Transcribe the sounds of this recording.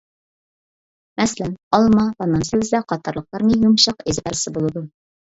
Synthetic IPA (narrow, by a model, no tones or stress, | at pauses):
mæsælænɒlˠmɑpɑnːɑmsɘ̆bɘ̆zd̪æqɒt̪ɑ̆ɾlˠɤ̆q̚lˠɑɾnijumɕɑqizbæɾ̆sɘbulˠud̪ɤ